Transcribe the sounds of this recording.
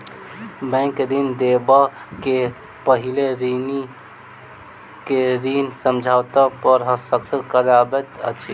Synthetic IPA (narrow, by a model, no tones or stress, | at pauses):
bɛ̃ŋkɾind̪ebake | pəɦileɾini | keɾinsəmd͡ʒʱaːwt̪apəɾɦəsəksəkəɾabɛt̪ə̰t͡ʃʰi